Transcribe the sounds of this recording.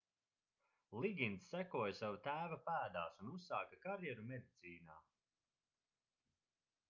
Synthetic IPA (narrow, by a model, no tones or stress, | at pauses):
lˠiɡʲint̪sːækuɔjasavat̪æːvapæːd̪aːsunusaːkakaɾjɛɾumɛd̪it̪siːnaː